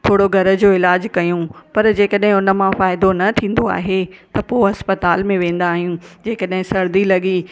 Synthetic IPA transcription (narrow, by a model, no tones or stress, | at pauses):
t̪ʰoːɽoɡʱɐɾə̆d͡ʑoːɪlaːd͡ʑkɐjũpɐɾd͡ʑeːkəɗɦɪ̃ʊnə̆mãfaːɪd̪onɐt̪ʰĩːn̆d̪oa̰ːɦet̪ɐpoːɦɐspɐt̪aːlmẽʋẽːn̆d̪aːɦijũd͡ʑeːkəɗɦɪ̃sɐɾd̪ilɐɠi